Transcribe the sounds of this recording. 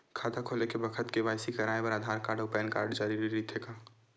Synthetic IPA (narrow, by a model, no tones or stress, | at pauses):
kʰaːt̪akʰoːlekebɐkʰət̪keʋaːɪsikɐɾaːepɐɾaːd̪ʱaːɾkaːɾɖopɛːnkaːɾɖd͡ʒaːɾiɾiɾit̪ʰekaː